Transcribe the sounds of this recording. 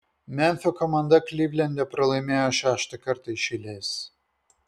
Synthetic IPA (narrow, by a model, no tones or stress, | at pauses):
mʲɛnʲfʲokɔmɐnd̪ɐklʲiʋʲlʲɛnʲd̪ʲɛpɾɐlˠɐɪmʲeːjoːʃʲæːʃt̪ɐkɐɾt̪ɐɪʃʲɪlʲeːs